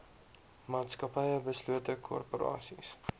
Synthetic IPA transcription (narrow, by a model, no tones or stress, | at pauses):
mɑːtskɐpɛjəbəsluətəkʰɔ̰rpoɾɑ̰ːsḭs